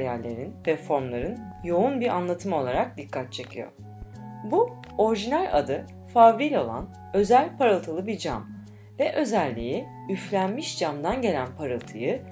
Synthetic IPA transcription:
jæɾlʲe̞ɾinvɛfo̞ɾmlˠaɾɯnjo̞unbiɾa̰nlˠat̪ʰɯmo̞lˠaɾak̚d̪ikʰːat̪̚t͡ʃʰe̞cʰijo̞̰ | bu | o̞ɾʒinælʲa̰d̪ɯ | favɾilʲo̞lˠa̰n | ø̞zælʲpʰaɾɯlˠt̪ʰɯlˠɯbiɾd͡ʒam | vɛʔø̞zælʲːiji | yflʲænmiʃd͡ʒamd̪anɟe̞lʲænpʰaɾɯlˠt̪ʰɯjɯ

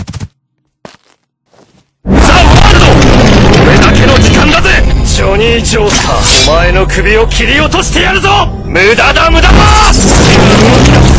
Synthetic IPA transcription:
saaɾɯnooɾe̞d̪ake̞no̞d͡ʑikãnd̪azɨeiɕoːɲ̟iːd͡ʑoːsa̰omae̞no̞kɯ̟bʲio̞kʲʰiɾʲio̞t̪oɕi̥t̪e̞jaɾɯ̟zo | mɯ̟d̪ad̪amɯ̟d̪ama

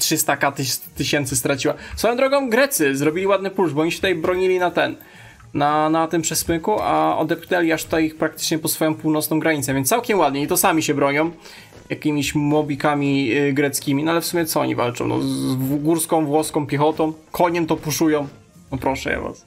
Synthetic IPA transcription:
tʂɘst̪akat̪t̪ɘɕɛnt̪sɘst̪ɾat͡ɕiwasfɔjɔ̃d̪ɾɔɡɔ̃w̃ɡɾɛt̪sɘzɾɔbʲilʲiwad̪̚nɘpuʐbɔɔɲiɕɛt̪ut̪ajbɾɔɲilʲinat̪ɛnː | anat̪ɨmpʂɛsmɘkua̰ɔ̰d̪ɛpknɛlʲiaʂt̪u̥t̪ajixpɾak̚t̪ɘ̥t͡ʂɲɛpɔt̪sfɔjɔ̃w̃puwnɔtsnɔ̃w̃ɡɾaɲit̪sɛvʲɛnsawkʲɛmwad̪̚ɲeit̪ɔsamʲiɕɛbɾɔɲɔ̃w̃ | jakʲimʲiɕmɔbʲikamʲiɡɾɛt̪skʲimʲinɔalɛfsumʲjɛt̪ɔɔ̰ɲḭva̰lt͡ʂɔ̃w̃nɔ̰ɡuɾskɔ̃w̃vwɔskɔ̃w̃pʲɛxɔt̪ɔ̃w̃kʰɔɲɛmt̪ɔpuʂujɔ̃w̃ | nɔpɾɔʂɛ̰ja̰va̰s

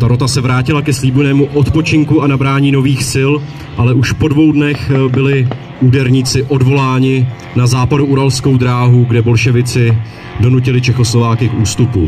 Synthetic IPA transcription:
t̪aɾot̪asɛvɾaːcɪlakɛsliːbujnɛːmuʔo̞t̪po̞t͡ʃɪŋkuanabɾaːɲiːno̞viːxsɪl | ʔalɛʔuʃpo̞dvo̞wdnɛxbɪlɪ | uːdɛɾɲiːt͡sɪʔo̞dvo̞laːɲɪ | nazaːpaduuɾalsko̞wdɾaːɦuɡdɛbo̞lʃɛvɪt͡sɪ | do̞nucɪlɪt͡ʃɛxo̞slo̞vaːkɪkuːst̪upṵ

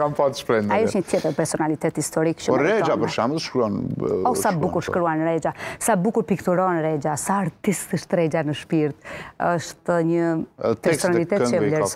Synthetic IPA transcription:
kampat̪ʃpɾɛnaiətɲət̪jɛt̪əɾpɛɾsɔnalit̪ɛt̪hist̪ɔɾikʃpɔɾːɛd͡ʒapəɾʃamðʃkɾuɔnɔsabukuɾʃkɾuanɾɛd͡ʒasabukuɾpikt̪uɾɔnɾɛd͡ʑasaːɾt̪ist̪əʃt̪ɾɛd͡ʒanəʃpiɾt̪əʃt̪ɲətp̪ɛɛɾsɔnalit̪ɛt̪ɛlɛɾs

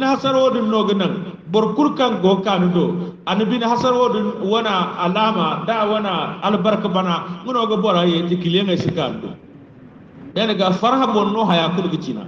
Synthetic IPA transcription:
inihasaɾwodinːoɡənaŋ | boɾkulkaŋɡokanidoanibinaɦasaɾwodinwonaalamadawanaalbaɾkibanaŋunoɡaboɾajedikileŋɡasikando̰ | daniɡafaɾɦabonnoɦajakulɡit͡ʃina̰

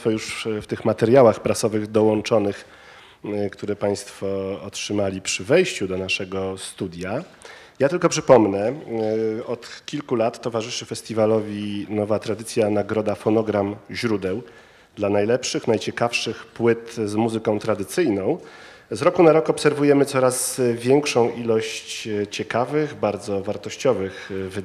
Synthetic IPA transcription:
fɔjuʂft̪ɘxmat̪ɛɾjawaxpɾasɔvɘɣd̪ɔwɔnt͡ʂɔnɘx | kt̪uɾɛpaj̃st̪fɔɔtʂɘmalʲipʂɘvɛjɕt͡ɕud̪ɔnaʂɛɡɔst̪ud̪ʲja | jat̪ɘlkɔpʂɘpɔmnɛ | ɔt̪kʲilkulat̪ːɔvaʐɘʂɘfɛsʲt̪ʲivalɔvʲinɔvat̪ɾad̪ɘt̪sʲjanaɡɾɔd̪afɔnɔɡɾamʑɾud̪ɛw | d̪lanajlɛpʂɘxnajt͡ɕɛkafʂɘxpwɘt̪zmuzɘkɔ̃w̃t̪ɾad̪ɘt̪sɘjnɔ̃w̃ | zɾɔkunaɾɔkɔpsɛɾvujɛmɘt̪sɔɾazvʲjɛŋkʂɔ̃w̃ʔilɔɕt͡ɕt͡ɕɛkavɘɣbaɾd̪zɔvaɾt̪ɔɕt͡ɕɔvɘxvɘ

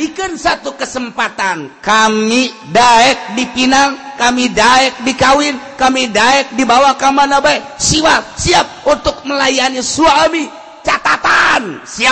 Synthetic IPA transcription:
dikansat̪ukəsəmpat̪ankamidaɛk̚dipinaŋkamidaɛk̚dikawɪnkamidaɛk̚dibawakamanabaɛsiwasiap̚unt̪ʊk̚məlajanisuami | t͡ʃat̪at̪ansia

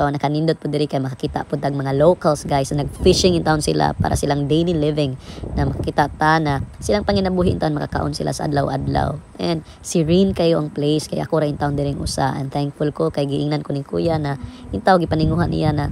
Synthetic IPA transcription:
aanɐkɐnind̪ot̪̚pʊd̪ɪɾɪkajmɐkakiːt̪a̰ʔpʊd̪aɡ̚mɐŋalowkalsɡajsɐnɐɡ̚fɪʃɪŋɪnt̪aʔʊnsɪ̰la̰pa̰ɾʔa̰sɪlaŋd̪ejnilɪvɪŋnɐmɐkḁkiːt̪aʔt̪anasɪlaŋpɐŋɪnɐbuɦɪʔɪnt̪aʔonmɐkaka̰ʔo̰nsɪlʔa̰sɐʔa̰d̪lawʔa̰d̪la̰wʔɛnd̪̚ | sɪɹinkɐjoʔɐŋplejskajʔɐkoɾaʔɪnt̪aʔʊnd̪ɪɾɪŋʔʊ̰sa̰ʔɛ̰nθɛŋk̚fʊlkokajɡɪʔɪŋnankonɪkṵːjanɐʔɪnt̪aʔoɡɪpɐnɪŋuːhanʔɪ̰janɐ

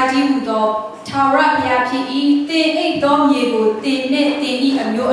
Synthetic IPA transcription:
d͡ʑiɦud̪ɔ | tʰaɹapʰjapʰjɪ̃ʔḭt̪ɪ̃ʔeɪʔt̪ɔmjeɡot̪ɪ̃n̥ɪ̰̃t̪ɪ̃dḭʔəmjoʔ

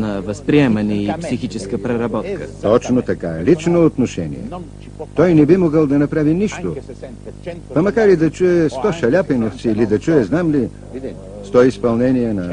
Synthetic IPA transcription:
nɐvɐspɾiɛmɐniːpsixit͡ʃɛskəpɾɛɾɐbɔt̪kə̰t̪ɔt͡ʃnot̪ɐkaɛlit͡ʃnoːt̪noʃɛnḭɛ̰ | t̪ɔjnɛbimoɡəlˠd̪ɐnɐpɾaviniʃt̪o | pɐmɐkaɾlid̪ɐt͡ʃuɛst̪ɔʃɐlʲapinoft̪silid̪ɐt͡ʃuɛznamli | st̪ɔispɐlˠnɛnijɛnɐ

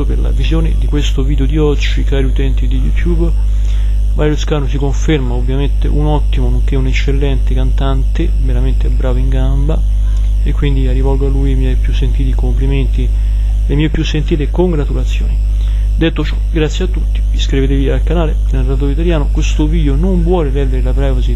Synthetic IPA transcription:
operla̰vizjoːnḛd̪ikwest̪oviːd̪eod̪iɔd͡ʒːikaːɾiut̪ɛnt̪id̪ijut̪jub | vajuskaːnosikoɱfermaobvːjament̪ḛʔunɔt̪ːimonoŋk̟eunet͡ʃːelːɛnt̪ekant̪ant̪e | veɾament̪ebɾaːvoiŋɡamba | ekːwind̪iarːivɔlɡoalːuːjmjɛjpjusːent̪iːt̪ikompliment̪i | lemjɛjpːjusːent̪iːt̪ekoŋɡɾat̪ulat̪sːjo̰ːni | d̪et̪ːot͡ʃɔ̥ɡɾat̪sːjeat̪ːut̪ːi̥viskɾivet̪̬eviaːlkanaːlenelrat̪oːit̪aljaːnokwest̪oviːd̪jonoɱvwɔːlevɛld̪eɾelapɾɛːvasi

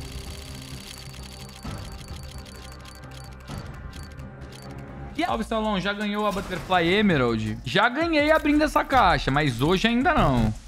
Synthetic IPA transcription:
iawvisalõw̃ʒaɡɐ̃ɲowabɐt̪eɾflajemeɾowd͡ʒɪʒaɡɐ̃ɲejabɾĩnd̪ʊɛsɐkaʃɐmajzoʒɪaĩnd̪ɐnɐ̃w̃

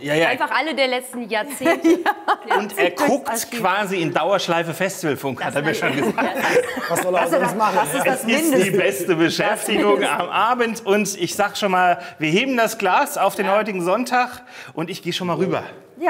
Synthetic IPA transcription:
jaːjanfaχʔalədeːɐlɛt͡stn̩jaɐt͡seːnt | ʊntʔeːɐkʰʊktkv̥aːziɪndaʊɐʃlaɪfəfɛstivəlfʊŋkhhateːɐmiːɐʃoːnɡəzaːksɔmasɛsɪsd̥iːbɛstəbəʃɛftɪɡʊŋa̰mʔaːbən̩tʊntɪçz̥aːɡəʃoːnmaːlviːɐheːbm̩dasɡ̥laːsaʊfd̥eːnhɔʏtɪɡŋ̩zɔntʰaːxʔʊntɪçɡ̥eːəʃoːnmaːlʁyːbɐ̰

